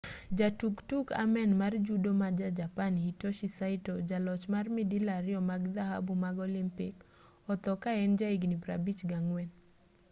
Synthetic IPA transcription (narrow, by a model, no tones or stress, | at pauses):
d͡ʒatuktuka̰mɛnmard͡ʒudomad͡ʒad͡ʒapanhitoʃisaɪtod͡ʒalɔt͡ʃmarmidilaɾɪɔmaɡd̪aɦa̰bumaɡɔlimpɪ̰k | ɔt̪ɔkaɛnd͡ʒaiɡnipɾa̰bit͡ʃɡaŋwɛn